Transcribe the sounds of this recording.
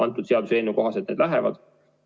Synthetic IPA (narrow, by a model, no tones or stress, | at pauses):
ɑnt̪ːˑud̪̥se̞ɑd̪useːnuko̞ɦɑset̪ned̪læɦɛvɑ̰d̪̥